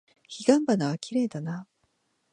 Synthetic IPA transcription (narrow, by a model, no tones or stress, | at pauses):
çiɡãmbanaβakʲiɾe̞ːd̪ana